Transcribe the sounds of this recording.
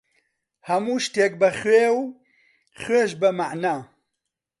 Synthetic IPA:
hɐmuːʃt̪eːk̚bəχweːw | χeːʃbəmaʕnaː

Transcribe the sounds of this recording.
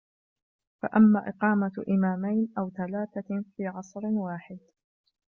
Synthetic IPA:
fa̰ʔamːaːʔɪqɑːmaʔɪmaːmajnʔawθalaːθafiːʕɑsˤɾwaːħɪd̪

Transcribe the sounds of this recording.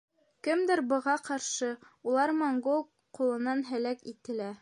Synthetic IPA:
kɘmd̪ɘɾbɤ̆ʁɑqɑɾʃɤulˠɑɾmoŋɡolˠ | qulˠɤ̆nɑnɦɘ̆lækit̪ɘ̆læ

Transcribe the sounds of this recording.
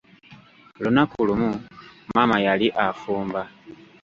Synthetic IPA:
lunakulumumaːmajaliʔafuːmba

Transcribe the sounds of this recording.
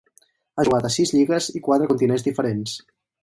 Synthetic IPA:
aʒuɣat̪əsizʎiɣəzikwat̪ɾəkunt̪inenzðifəɾens

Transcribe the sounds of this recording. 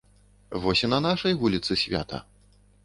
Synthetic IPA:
vɔsʲinɐnaʂɐjvulʲit̪sɨsʲvʲa̰t̪ʰɐ̰

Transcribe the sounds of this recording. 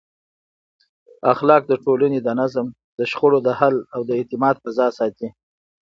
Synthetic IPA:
axlɑk̚d̪əʈolaned̪ənazəm | d̪əʃχoɽod̪əhalawd̪əet̪ɪmɑd̪̚pəzɑsɑt̪i

